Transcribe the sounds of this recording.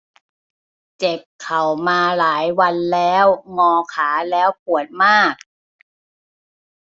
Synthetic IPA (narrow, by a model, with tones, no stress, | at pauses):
t͡ɕe˨˩p̚kʰːa˨˩wmaː˧laː˩˦jwa˧nlɛː˦˥wŋɔː˧kʰaː˩˦lɛː˦˥wp̚u˨˩ət̪̚maː˥˩k̚